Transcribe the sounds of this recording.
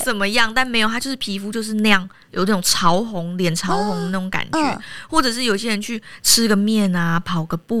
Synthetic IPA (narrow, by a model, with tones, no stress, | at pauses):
t͡sə˨˩nmə˦jɑ˥˨ŋt̪a˥˩nme˧˥ɪjo˨˩t̪a˦˥jo˥˧ʊʂɻ̩˥˩pʰi˧˥fu˧˥t͡ɕjo˥˧ʊʂ̬ɻ̩˥˧na˧jɑ˥˩ŋ | jo˨˩ʊna˥˩ʊ˨˩ŋʈ͡ʂʰɑ˧˥ʊxʊ˧˦ŋljɛ˨˩nʈ͡ʂʰɑ˧˥ʊxʊ˧˦ŋd̪ə˧˦na˥˩ʊ˨˦ŋka̰˨˩nɛ̰˦xwɔ˥˩ʈ͡ʂɤ˨˩ʂɻ̩˥˩jo˨ʊi˧ɕjɛ˥ɻə˧nt͡ɕʰy˥˩ʈ͡ʂʰɻ̩˥ɡə˨mjɛ˥˩na˧pʰɑ˨˩ʊɡə˨˩pu˥˩